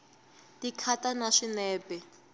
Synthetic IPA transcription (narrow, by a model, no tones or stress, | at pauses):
dikʰatanaʂinɛːpɛ